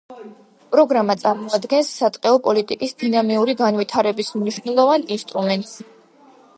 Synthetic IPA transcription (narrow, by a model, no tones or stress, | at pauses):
pʼɾɔɡɾamat̪sʼaɾmɔad̪ɡɛnsːat̪ʼqʼɛɔpʼɔlit̪ʼikʼisd̪inamiuɾiɡanvit̪ʰaɾɛbismniʃnɛlˠɔvaninst̪ʼɾumɛnt̪ʼs